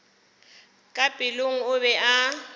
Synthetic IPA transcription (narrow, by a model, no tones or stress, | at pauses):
kʼabʼɪloŋ̩ʊβɛʔa